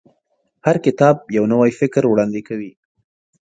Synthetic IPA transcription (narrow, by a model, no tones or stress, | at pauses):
haɾkɪt̪ɑb̚jawnawajfɪkɾwɽɑnd̪ɪkawi